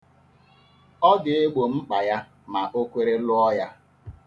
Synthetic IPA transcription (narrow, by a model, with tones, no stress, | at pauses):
ɔ˦ɡɪ˨e˦ɡ͡bo˨m̩˦k͡pa˨ja˦ | ma˨ʔo˦kʷe˦ɾe˦lʊ˦ɔ˦ja˦